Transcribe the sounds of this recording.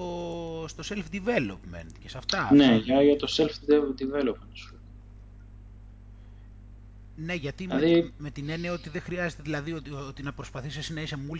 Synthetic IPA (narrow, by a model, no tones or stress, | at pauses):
ost̪o̞se̞lfd̪ive̞lo̞pme̞̰nt̪cesɐft̪ɐneʝɐʝɐt̪o̞selfd̪ivelopmnt̪s | ne̞ʝɐt̪imðime̞t̪ine̞niɐo̞t̪iðexɾiɐzet̪eðilɐðiot̪ot̪inɐpɾo̞spɐθisisnɐise̞mul